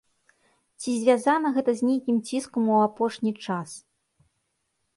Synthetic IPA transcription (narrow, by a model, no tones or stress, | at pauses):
t͡sʲizʲvʲazanɐɣɛt̪ɐzʲnʲejkʲimt͡sʲiskɐmuapɔʂnʲit͡ʂas